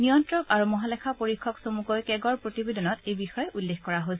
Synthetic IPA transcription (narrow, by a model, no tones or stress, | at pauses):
nijɔntɹɔkaɹumɔɦalɛkʰapoɹikʰːɔksomukojkɛɡɔɹpɹotibedɔnɔtejbixɔjɛʔulːexkɔɹaɦosɛ